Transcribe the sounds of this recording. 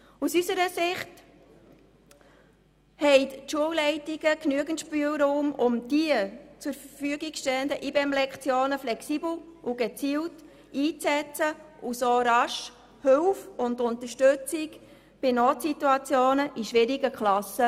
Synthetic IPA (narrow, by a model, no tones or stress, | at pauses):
usysəɾəsɪχt | hɛɪtʃuəwlɛɪtɪɡəknyəɡəntʃpyːəwɾuːmʊmd̥iət͡sʊɾfəfyəɡɪkʃtɛləndəʔibɛmlɛkχt͡sjoːnəflɛksibl̩uɡ̥ɛt͡siːwt | iːt͡sɛt͡sə | usoːɾɑʃ | hʏwfʊndʊntəʃtøt͡sɪɡ | b̥ɪnoːtsituɑt͡sjoːnəʔiʃʋɪɾiɡəkʰlɑsə